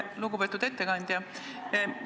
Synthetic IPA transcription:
luɡupe̞ːt̪ud̪e̞t̪ːe̞kɑnʲd̪̥ʲjɑ

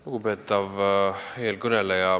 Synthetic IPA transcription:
luɡube̞t̪ːˑɑvheːlkɵnelejɑ

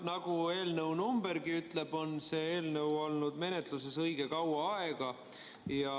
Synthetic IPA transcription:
nɑɡ̥ue̞ːlnəwnumbe̞ɾɡiyt̪ːˑle̞b̥o̞nse̞ːeːlnəwo̞lnud̪̥me̞ne̞t̪luse̞sɤjɡ̥e̞kɑwɑɑe̞ɡ̥ɑ | jɑ

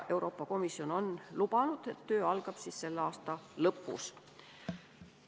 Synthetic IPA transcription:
ʔe̞wɾʔo̞ːpːˑɑko̞misjo̞no̞nlub̥ɑnud̪̥et̪ːø̞ːɑlɡ̥ɑb̥siːsse̞lːeɑːst̪ɑlɤpːˑṵs

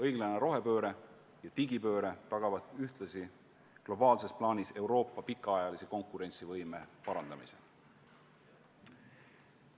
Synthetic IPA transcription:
ɤjɡlɑneɾo̞ɦe̞pø̞ːɾe̞ | jɑt̪iɡipø̞ːɾe̞t̪ɑɡ̥ɑvɑt̪ːˑyht̪lɑsi | klo̞bɑːlse̞splɑːnʲise̞uwɾo̞ːpːˑɑpikːˑɑɑjɑlise̞ko̞ŋkˑuɾe̞nʲsivɤjme̞pɑɾɑnd̪̥ɑmḭse̞̰

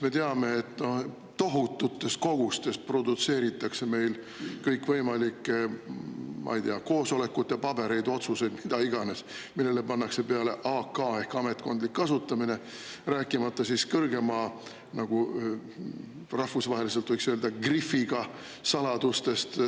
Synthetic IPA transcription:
me̞t̪e̞ɑme̞ːt̪ːno̞h̪ː | o̞ɦut̪ːˑut̪ːˑe̞st̪̚ko̞ɡ̥ust̪e̞st̪̚prod̪ut̪se̞ːɾit̪ːˑɑkse̞me̞jl | kɤjkvɤjmɑlikːˑe | mʔɑ̰jd̪eɑko̞ːso̞le̞kːˑut̪ˑːe̞pɑb̥e̞ɾe̞jd̪o̞t̪suse̞jd̪̥mid̪ɑiɡ̥ɑne̞smilːele̞pɑnːɑkse̞pe̞ɑle̞ʔɑːkːɑːe̞hkɑme̞t̪ːˑko̞nd̪likːɑsut̪ːˑɑmine̞ | ræːkːˑimɑt̪ˑːɑsiskɤrɡe̞mɑ | nɑɡ̥u | rɑhfusvɑɦe̞lis̬e̞lt̪vɤjksøld̪ɑɡrifiɡ̥ɑ | sɑlɑd̪̥ust̪e̞st̪

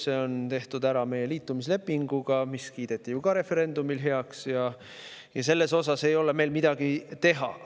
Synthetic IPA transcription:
se̞o̞nt̪e̞ht̪ud̪æɾɑme̞je̞liːt̪ːˑumisle̞pˑːiŋɡ̥uɡ̥ɑmiskiːd̪̥e̞t̪ːˑijukɑɾe̞fe̞ɾe̞nd̪umilɦe̞ɑksjɑ | jɑse̞lːe̞so̞sɑse̞jo̞le̞me̞jlmid̪̥ɑɡ̥it̪e̞ɦɑ̰

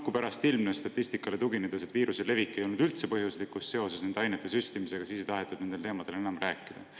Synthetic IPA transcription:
kːupæɾɑst̪ilmnest̪ɑt̪ːˑist̪ikːˑɑle̞t̪uɡined̪̥eset̪viːɾusele̞vikːejo̞lnud̪ylt̪se̞pɤɦjuslikust̪ːe̞o̞se̞sned̪eɑjnet̪ːˑe̞syst̪imise̞ɡ̥ɑsiːsejt̪ɑɦet̪ːˑud̪ne̞nd̪et̪e̞ːmɑd̪̥e̞le̞nɑmræːkːˑid̪̥ɑ

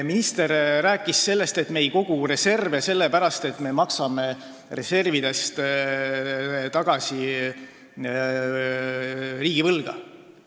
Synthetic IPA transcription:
minist̪e̞ɾræːkˑːisːe̞lːe̞st̪e̞t̪me̞jko̞ɡ̥ure̞se̞rvese̞lːe̞pæɾɑst̪e̞t̪me̞mɑksɑme̞ | re̞se̞rvid̪̥e̞st̪ | t̪ɑɡ̥ɑsʲi | riːɡ̥ivɤlɡ̥ɑ̰

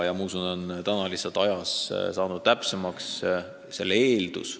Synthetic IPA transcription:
jɑmɑusunont̪ænɑlisːɑt̪ːˑɑjɑssɑːnud̪̥̚t̪æpse̞mɑks | se̞̰lːe̞ːld̪ṵs

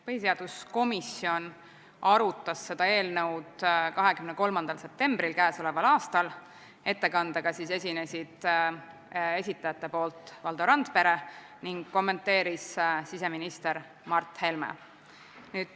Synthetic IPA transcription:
pɤɦise̞ɑd̪̥usko̞misio̞n | ɑɾut̪ːˑɑsːe̞d̪̥ɑe̞ːlnɤwd̪kɑɦe̞kymneko̞lmɑnd̪ɑlse̞p̚t̪e̞mbrilkæːso̞le̞vɑlɑːst̪ɑl | e̞t̪ːe̞kɑnd̪̥ɑɡ̥ɑsiːse̞sʲine̞sid̪̥ | e̞sʲit̪ːˑɑjɑt̪ˑːe̞po̞ːlt̪ˑvɑld̪oɾɑnd̪̥pe̞ɾe | niŋɡ̥kːo̞mːe̞nt̪ːe̞ːɾissise̞minist̪e̞ɾ | mɑrt̪ːˑhe̞lmḛ | nyːd̪̥

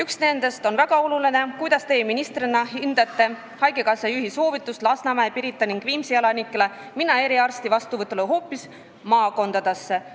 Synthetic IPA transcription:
yksne̞nd̪e̞st̪o̞nvæɡ̥ɑo̞luline̞kujd̪̥ɑst̪e̞ːminist̪ɾinɑhind̪̥ɑt̪ːˑe̞ | hɑjɡekɑsɑjyɦiso̞ːvit̪ːˑust̪lɑsnɑmæepiɾit̪ːˑɑniŋɡ̥viːmsiɑlɑnikːˑele | minɑe̞ɾiɑrst̪ivɑst̪uvɤt̪ːˑuleɦo̞ːpːˑis | mɑːko̞nd̪ɑd̪̥e̞sːe

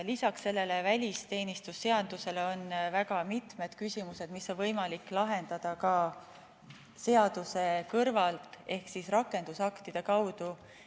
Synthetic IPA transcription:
lisɑksːe̞lːe̞le̞vælʲist̪e̞ːnist̪usːe̞ɑd̪̥use̞leo̞nvæɡ̥ɑmit̪me̞d̪̥kysimuse̞d̪̥miso̞nvɤjmɑlikːlɑɦe̞nd̪̥ɑd̪̥ɑkɑ | se̞ɑd̪̥use̞kɤrvɑlt̪ˑe̞hksisrɑkːˑe̞nd̪̥usɑkt̪id̪̥e̞kɑwd̪̥u

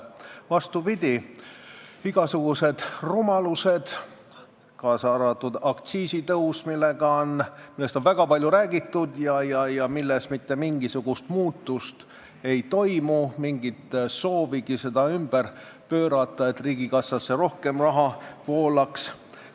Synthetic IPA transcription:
vɑst̪upid̪̥ʲi | iɡ̥ɑsuɡ̥use̞d̪̥rumɑluse̞d̪̥ | kɑːsɑɾɑt̪ːud̪̥ɑkt̪siːsit̪ɤwsmilːeɡɑnmilːe̞st̪onvæɡ̥ɑpɑlʲjuɾæːɡit̪ːˑud̪jɑjɑjɑmilːesmit̪ːe̞miŋɡisuɡ̥ust̪muːt̪ːˑust̪ | e̞jt̪o̞jmumiŋɡit̪so̞ːviɡ̥ise̞d̪̥ɑymb̥ər | pø̞ːɾɑt̪ːˑɑet̪riːɡ̥ikɑsːɑsːe̞ro̞hke̞mrɑɦɑpo̞ːlɑks

